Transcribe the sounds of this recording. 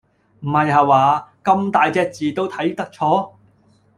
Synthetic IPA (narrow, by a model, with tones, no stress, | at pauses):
m̩˨˩hɐ˨jɦaː˨waː˨˧kɐ˧mt̪aː˨jt͡sɛː˧˥k̚t͡siː˨t̪o˥wt̪ʰɐ˨˥jt̪ɐ˥k̚t͡ʃʰɔː˥